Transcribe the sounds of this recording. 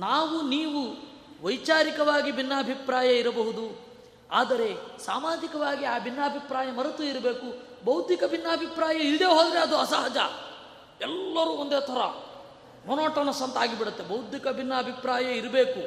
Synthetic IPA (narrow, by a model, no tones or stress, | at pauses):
naːʋuniːʋu | ʋɐjt͡ʃaːɾikɐʋaːɡibʱinːaːbʱipɾaːjɐiɾɐbɐɦud̪u | aːd̪ɐɾe̞saːmaːd͡ʒ̪ikɐʋaːɡiaːbʱinːaːbʱipɾaːjɐmɐɾɐt̪uiɾɐbe̞ːkubɐwt̪ikɐbʱinːɐːbʱipɾaːjɐild̪e̞ːɦoːd̪ɾeɐd̪uɐsaɦɐd͡ʒɐ̰ | ɛlːɐɾuːond̪eːt̪ʰɐɾɐ̰ | mɔnoːʈɐnɐsɐnt̪aːɡibiɽɐt̪ːebɐwd̪ʱikɐbʱinːɐːbʱipɾaːjɐiɾɐbeːku